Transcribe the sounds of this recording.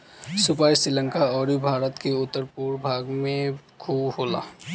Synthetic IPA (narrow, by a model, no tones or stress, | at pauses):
sʊpaːjsɾɪlə̃ŋkaɔːɾibʱaːɾət̪keʊt̪ːəɾpuːɾbʱaːɡmẽkʰuːbɦoːla̰ː